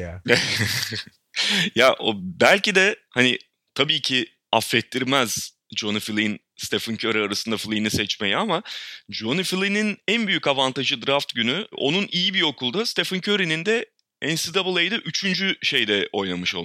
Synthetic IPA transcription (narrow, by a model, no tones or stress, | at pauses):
a | jaʔo̰bælʲcid̪ɛhanɪ | t̪ʰabiːcʰi | afːɛt̪ʰːiɾmɛz̥ | d͡ʒonɯfilʲˠin | st̪ʰefɯncʰøɾiaɾasɯnd̪aflʲˠinisɛt͡ʃmejɛamad͡ʒonifilʲˠininænbyjycavant̪aʒɯd̪ɾaft̪ɟynyo̞̰nunijibio̞kʰulˠd̪ast̪efɯncʰøɾinind̪ɛ | ɛnsid̪abɯlˠajd̪aʔyt͡ʃʰynd͡ʒyʃe̞jd̪ɛo̞jnamɯʃo̞lˠ